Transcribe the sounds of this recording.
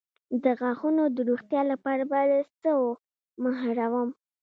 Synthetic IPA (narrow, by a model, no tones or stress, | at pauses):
d̪əɣɑxunod̪əɾuxt̪jɑlapɑɾabad̪əsəo | maɦaɾawəm